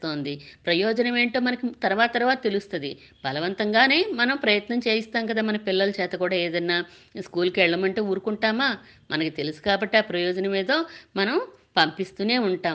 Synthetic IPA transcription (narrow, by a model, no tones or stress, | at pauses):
t̪o̞ːnd̪ipɾɐjɔːd͡ʒɐnɐme̞ːɳʈo̞ːmɐnɐkit̪ɐɾʋaːt̪ɐt̪ɐɾʋaːt̪ɐt̪e̞lust̪ɐd̪ḭ | bʱɐlɐʋɐnt̪ɐŋɡaːne̞ːmɐnɐmpɾɐjɐt̪nɐmt͡ʃe̞ːjist̪aːmkɐd̪aːmɐnɐpilːɐlut͡ʃɛːt̪ɐkuːɽaːeːd̪ɐnːaːskuːlkɛɭːɐmɐɳʈeːuːɾukuɳʈaːmaː | mʔɐnɐkit̪e̞lusu̥kaːbɐʈːiaːpɾɐjɔːd͡ʒɐnɐmiːd̪oːmɐnɐm | pɐmpist̪uːne̞ːuɳʈaː